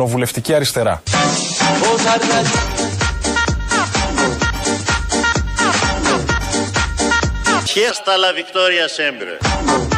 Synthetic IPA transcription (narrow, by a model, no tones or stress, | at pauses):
o̞vule̞ft̪iciɐɾist̪e̞ɾɐ̰ | osɐɾt̪ɐ | çest̪ɐlɐvikt̪oɾiɐsembɾḛ